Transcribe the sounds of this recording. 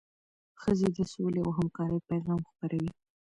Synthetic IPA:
xəzed̪əsolea̰wɦamkɑɾəjpajɣɑmxpaɾʔawi

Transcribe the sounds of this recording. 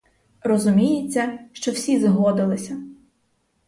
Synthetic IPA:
rɔzʊmʲijet͡sʲːɐʃt͡ʃɔw̥sʲizɦɔd̪ɪlˠɪsʲɐ

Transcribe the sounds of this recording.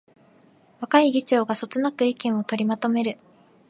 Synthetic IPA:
βakaiɡʲit͡ɕo̞ːɡaso̞t͡sɨnakɯ̟ikẽɰ̃o̞t̪o̞ɾʲimat̪o̞me̞ɾɯ̟

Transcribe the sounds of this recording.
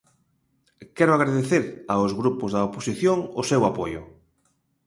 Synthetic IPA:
kɛɾʊaɣ̞ɾaðeθeɾaʊzɣɾupʊzðɐoposiθjoŋʊsɛwapojʊ̰

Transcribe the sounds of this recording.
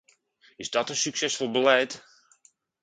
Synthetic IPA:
ɪsdɔtənsyksɛsfɔlˠbəlɛt

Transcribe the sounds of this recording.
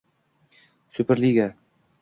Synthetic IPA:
sɵpɘɾliɡæ

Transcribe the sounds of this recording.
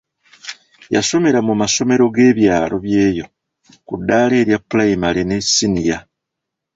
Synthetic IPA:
ja̰so̞me̞ɾamumaso̞me̞ɾo̞ɡe̞ːβjaːlo̞βje̞ːjo̞ | kudːaːle̞ːɾjapulaimalene̞sinija

